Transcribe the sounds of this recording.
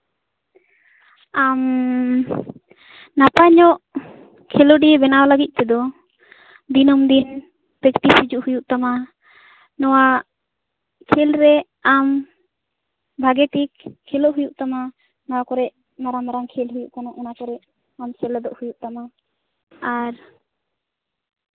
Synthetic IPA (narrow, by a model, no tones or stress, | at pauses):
am | napaɲɔʔ | kʰɛloɖibɛnawalaɡic̚ˀt̪ɛd̪ɔ | d̪inɔmd̪in | pɾɛkʈisid͡ʒuʔhujuʔt̪ama | nɔwa | kʰɛlɾɛ | am | bʱaɡɛʈikʰːɛloʔɦujuʔt̪ama | nɔwakɔɾɛʔ | maɾamaɾaŋkʰɛlɦujuʔkanɔʔɔnakɔɾɛʔ | amsɛlɛd̪ɔʔhujuʔt̪ama | aɾ